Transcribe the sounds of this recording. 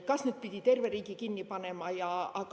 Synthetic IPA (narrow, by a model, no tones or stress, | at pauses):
kɑsned̪̚pid̪̥ʲit̪e̞rveriːɡ̥ikinːipɑne̞mɑjɑɑk